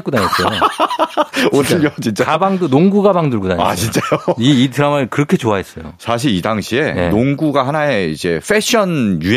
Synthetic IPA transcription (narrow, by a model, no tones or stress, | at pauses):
k͈udaɲes͈ʌo | osɯot͡ɕint͡ɕ͈akabaŋdunoŋɡuɡabaŋdɯɭɡudaɲa̰t͡ɕint͡ɕ͈ajoiitɯɾamɯɭkɯɾʌkʰe̞t͡ɕoaɦe̞s͈ʌjo̰sʰaɕ̬ʰiɾidaŋɕʰie̞nenoŋɡuɡahanaeid͡ʑe̞ɸʰeɕʰʌnju